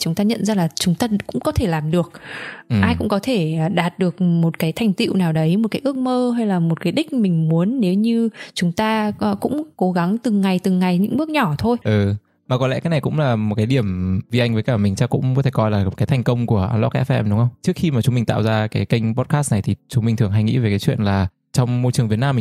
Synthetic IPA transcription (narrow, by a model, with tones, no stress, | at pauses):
t͡ɕʊ˨˦ŋ͡mt̪aː˧ɲə̰˧˨nzaː˧laː˨˩t͡ɕʊ˨˦ŋ͡mt̪aː˧kʊ̰˧˥ŋ͡mkɔ˨˦t̪ʰe˧˩laː˨˩mɗɨ˨˩ək̚ːʔaː˧jkʊ̰˧˥ŋ͡mkɔ˨˦t̪ʰe˧˩˨ɗaː˨˩t̚ɗɨ˨˩ə˩k̚mo˨˩t̚kaː˨˦jt̪ʰa˨˩ŋ̟t̪ḭ˧˨wnaː˨˩wɗə˨˦jmo˨˩kaː˨˦jʔɨ˦˥ək̚məː˧ɦa˧jlaː˨˩mo˨˩t̚kaː˨˦jɗï˦˥k̟̚mï˨˩ŋ̟mu˨˦ənːe˨˦wɲɨ˧t͡ɕʊ˨˦ŋ͡mt̪aː˧kʊ̰˧˥ŋ͡mko˨˦ɣa˨˦ŋt̪ɨ˨˩ŋːa˨˩jt̪ɨ˨˩ŋːa˨˩jɲɨ̰˧˥ŋɓɨ˦˥ək̚ɲɔ˧˩t̪ʰo˧jʔɨ˨˩ | maː˨˩kɔ˨˦lɛ̰˧˥kaː˨˦jna˨˩kʊ̰˧˥ŋ͡mlaː˨˩mo˨˩t̚kaː˨˦jɗi˧˩əmvi˧ʔa˧jŋ̟və˨˦kaː˧˩mï˨˩ŋ̟t͡ɕaː˧kʊ̰˧˥ŋ͡mɔ˨˦t̪ʰe˧˩kɔ˧jlaː˨˩kaː˨˦jt̪ʰa˨˩ŋ̟kə˧wŋ͡mku˧˩əʔa̰ː˧nlɔ˦˥ʔɛ̰˧˦˥fɛ̰˧mɗʊ˨˦ŋ͡mhə˧wŋ͡mt͡ɕɨ˦˥ək̚xi˧maː˨˩t͡ɕʊ˨˦ŋ͡mmï˨˩t̪a̰ː˧˨wzaː˧kaː˨˦jkə˧jŋ̟pɔ˦˥t̚kaː˦˥stna˨˩jt̪ʰi˨˩t͡ɕʊ˨˦ŋ͡mmï˨˩ŋ̟t̪ɨ˨˩əŋɦa˧jŋḭ˧˥ve˨˩kaː˨˦jt͡ɕwḭ˧˨ənlaː˨˩ | t͡ɕɔ˧wŋ͡mmo˧jt͡ɕɨ˨˩əŋvi˨˩ənaː˧mːi˨˩